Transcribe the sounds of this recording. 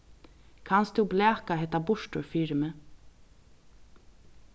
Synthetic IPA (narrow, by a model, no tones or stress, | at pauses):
kʰanst̪uwblɛːkaɦɛt̪ːabʊʃʈʊɹfiːɾɪmɛ